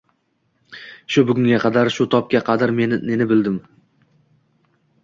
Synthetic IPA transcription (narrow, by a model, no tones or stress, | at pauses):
ʃʊbʊɡʲʊŋɡʲaqʰɑd̪aɾʃʊt̪ʰɒp̚kʲaqʰɑd̪aɾme̞nɪnenɪbɪld̪ɪm